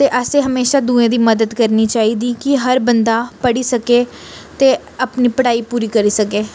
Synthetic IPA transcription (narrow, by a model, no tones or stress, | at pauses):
t̪eːʔəseːɦəmeːʃaːd̪ũːẽːd̪iːməd̪əd̪kəɾniːt͡ʃaːiːd̪iːkɪɦəɾbənd̪aːpəɽiːsəkeː | t̪eː | əpniːpəɽaːiːpuːɾiːkəɾiːsəkeː